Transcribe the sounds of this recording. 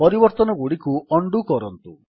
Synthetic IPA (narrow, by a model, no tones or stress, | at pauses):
pɔɾibɔɾt̪ɔnɔɡuɽikuʔɔɳɖukɔɾɔnt̪u